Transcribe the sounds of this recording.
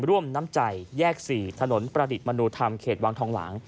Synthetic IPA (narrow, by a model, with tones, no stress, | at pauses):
ɾu˥˩əmnaː˦˥mt͡ɕa˨˩jjɛː˥˩k̚siː˨˩t̪ʰa˧no˩˦npɾa˧di˨˩t̪̚ma˧nu˧t̪ʰa˧mkʰeː˨˩t̪̚waː˧ŋt̪ʰɔː˧ŋla̰ː˩˦ŋ